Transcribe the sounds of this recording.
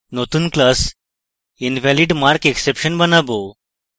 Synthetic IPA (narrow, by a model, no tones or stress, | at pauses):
not̪uːnklas | inʋæliɖmaɾkeksepɕənbənabo